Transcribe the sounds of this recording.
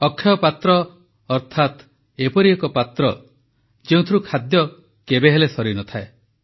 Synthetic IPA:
ɔkʰːjɔpat̪ɾɔː | ɾt̪ʰat̪ | epɔɾiekɔpat̪ɾɔ | d͡ʒeũt̪ʰiɾukʰad̪jɔ | kebeɦelesɔɾinɔt̪ʰae

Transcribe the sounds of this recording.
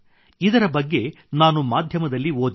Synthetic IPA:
id̪ɐɾɐbɐɡːe̞ | naːnumaːd̪ʱjɐmɐd̪ɐlːioːd̪

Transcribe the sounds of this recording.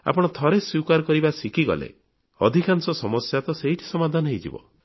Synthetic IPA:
a̰pɔɽ̃ɔt̪ʰɔɾeswikaɾkɔɾibasikʰiɡɔ̰lḛ | ɔd̪ʱikansɔsɔmɔsjat̪ɔseɦiʈʰi̥sɔmad̪ʱanɔɦejd͡ʒḭbɔ̰

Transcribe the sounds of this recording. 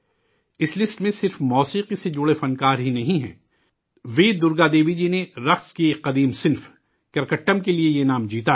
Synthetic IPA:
ɪslɪsʈmẽsɪɾfmɔːsiːqised͡ʒʊɽefɐnkaːɾɦinɐɦĩɦɛ̰̃ː | ʋeːd̪ʊɾɡad̪eːʋid͡ʒineɾɐxskiqɐd̪iːmsɪnf | kɐɾkəʈːəmkeliejenaːmd͡ʒiːt̪a

